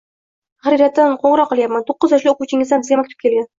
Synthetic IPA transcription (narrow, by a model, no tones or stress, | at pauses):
χaɾiɾat̪ːɪnqʰoɴɾɒqːɨlˠjapmant̪ʰoqːɨzjɒʃlɪoquwt͡ʃʰɪŋɪzd̪anbɪzɡʲamak̚ʲt̪u̥p̚kʲʰe̞lɡʲan